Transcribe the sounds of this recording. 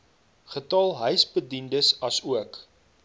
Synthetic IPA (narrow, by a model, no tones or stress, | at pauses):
χətɑːlˠɦœɥsbədindəsɐsuək